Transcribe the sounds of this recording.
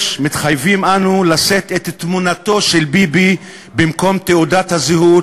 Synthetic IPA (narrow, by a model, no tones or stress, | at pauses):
mit̪χajvimʔanulaset̪et̪ːmunato̞ʃelbibi | bimko̞mt̪eudat̪hazeɦu